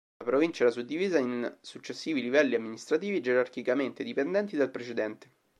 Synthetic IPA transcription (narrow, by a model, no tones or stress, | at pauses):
apɾovint͡ʃaɛɾasud̪ːiviːzainsut͡ʃːesːiːvilivɛlːiamːinist̪ɾat̪iːvied͡ʒeɾarkikament̪ed̪ipend̪ɛnt̪id̪elpɾet͡ʃed̪ɛnt̪e̥